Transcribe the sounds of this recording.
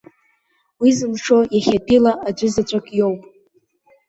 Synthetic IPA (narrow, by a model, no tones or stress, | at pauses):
wizɨmʂo̞jaχʲapʼilaʔad͡ʒʷʏzat͡ɕʷʼakʼjowpʼ